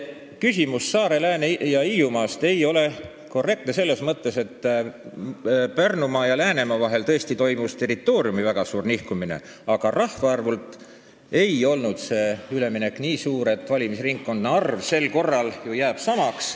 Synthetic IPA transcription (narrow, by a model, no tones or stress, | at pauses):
kysimusːɑːɾe̞læːnejɑijumɑːst̪e̞jo̞le̞ | ko̞rːe̞k̚t̪nese̞lːe̞smɤt̪ːe̞se̞t̪ː | pærnumɑːjɑlæːne̞mɑvɑɦe̞lt̪ɤ̞est̪it̪o̞jmust̪e̞ɾit̪ːˑo̞ːɾjumivæɡ̥ɑsuːrnihkumine̞̰ | ɑɡ̥ɑrɑhvɑɑrvult̪ˑ | e̞jo̞lnud̪̥se̞ːyle̞mine̞kːˑniːsuːɾe̞t̪ːˑvɑlʲimisriŋkːo̞nd̪neɑrvse̞lko̞rːɑljujæːb̥sɑmɑks